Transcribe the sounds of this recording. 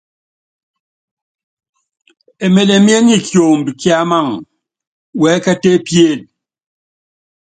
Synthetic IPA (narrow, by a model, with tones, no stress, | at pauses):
e˨me˨le˨mje˦ɲi˦kjo˨m̩˨bi˨kja˦ma˦˨ŋ | wɛ˨˦ka˦te˦pje˦˨l